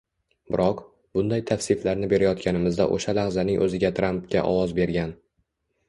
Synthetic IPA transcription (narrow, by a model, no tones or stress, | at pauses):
bɪɾʔɒq | b̥ʊnd̪ajt̪ʰafsɪflaɾnɪbe̞ɾajɒt̪kʲʰanɪmɪzd̪a̰ʔo̰ʃalahzanɪŋʔɵzɪɡʲat̪ʰɾampkʲa̰ʔɒ̰wɒzbe̞ɾɡʲan